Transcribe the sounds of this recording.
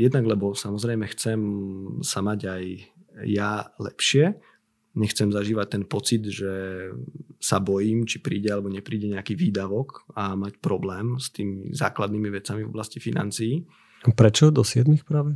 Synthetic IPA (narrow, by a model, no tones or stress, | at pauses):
jɛd̪naɡlɛbɔsamɔzɾɛjmɛxt͡sɛmsamaɟajː | alɛ̰pʃɪɛ | ɲɛxt͡sɛmzaʒiːʋac̚t̪ɛnpɔt͡sid̪ʒɛ | sabɔjiːmt͡ʃi̥pɾiːɟɛalɛbɔɲɛpɾiːɟɛɲɛakiːʋiːd̪aʋɔkamacpɾɔblɛːmst̪iːmḭza̰ːklad̪niːmiʋɛt͡samivɔ̰blascifina̰nt͡siji | pɾɛt͡ʃɔd̪ɔsɪjɛd̪mixpɾaːʋɛ